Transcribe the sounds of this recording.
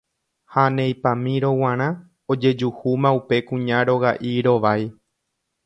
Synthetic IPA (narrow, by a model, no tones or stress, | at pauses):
hanẽjpãmĩɾo̞w̃ãɾ̃ã | od͡ʒe̞d͡ʒuhumãupe̞kũɲãɾo̞ɣaʔiɾo̞ʋaj